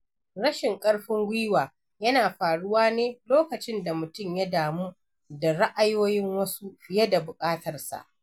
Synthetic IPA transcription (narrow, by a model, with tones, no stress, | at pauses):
ɽɐ˦ʃɪ˨ŋkʼɐ˦ɽɸɪ˦ŋɡʷiː˦waː˨ | jɐ˦naː˨ɸaː˨ɽʊ˦waː˦neː˦loː˦kɐ˨t͡ʃɪ˦nda˨mʊ˨tʊ˦mja˦daː˨muː˦ | da˨ɽa˦ʔa˦joː˦jɪ˦ŋwɐ˦su˦jɐ˦da˨bʊ˨kʼaː˦tɐ˨rsa̰˨ʔ